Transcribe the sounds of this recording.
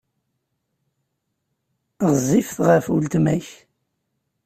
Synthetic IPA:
ʁzˤifθʁəfult̪mæç

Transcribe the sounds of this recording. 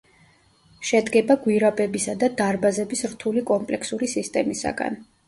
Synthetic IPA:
ʃɛd̪ɡɛbaɡwiɾabɛbisad̪ad̪aɾbazɛbisɾt̪ʰulikʼɔmpʼlɛkʰsuɾisist̪ʼɛmisa̰ɡa̰n

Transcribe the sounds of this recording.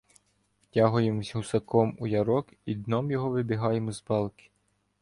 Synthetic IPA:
tʲaɦʊjemzʲɦʊsɐkɔmujɐɾɔk | id̪nɔmjɔɦɔʋɪbʲiɦɑjemʊzbɑlˠkɪ̥

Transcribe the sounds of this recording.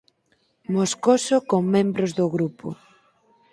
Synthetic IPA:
moskosokoŋmːẽmbɾozðʊɣɾupo̰

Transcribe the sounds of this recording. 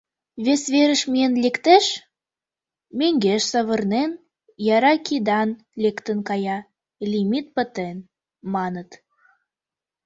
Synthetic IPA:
βesβeɾəʃmienlekt̪eʃ | meŋɡeʃsəβə̆rnen | jɑɾɑkid̪ɑn | lekt̪ənkɑjɑ | lʲimit̪̚pə̆t̪en | mɑnət̪

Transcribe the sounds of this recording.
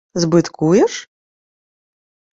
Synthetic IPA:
zbɨt̪kʰujɛʂ

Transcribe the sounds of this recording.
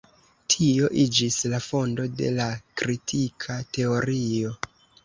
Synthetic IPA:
tʰio̞ʔid͡ʒislafo̞ndo̞de̞̰lakɾitʰikʰate̞o̞ɾio̞

